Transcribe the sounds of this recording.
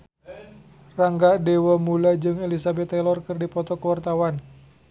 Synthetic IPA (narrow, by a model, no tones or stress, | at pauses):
raŋɡadewamulad͡ʒɨŋelisabɛt̪ːɛlɔrkɨrdipɔt̪ɔkəwart̪awan